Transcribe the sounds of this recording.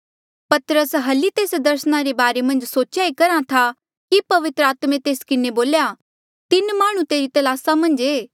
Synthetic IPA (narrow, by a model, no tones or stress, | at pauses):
pɐt̪ɾəsɦɐlit̪eːsd̪ɐɾsəɽ̃aɾebaːɾemɐ̃nd͡ʒsoːt͡ʃjaekɐɾãt̪ʰa | kipɐʋɪt̪ɾəaːt̪mẽt̪eːskɪneboːlja | t̪ɪnmaːɽ̃ũt̪eːɾit̪ɐlaːsamɐ̃nd͡ʒeː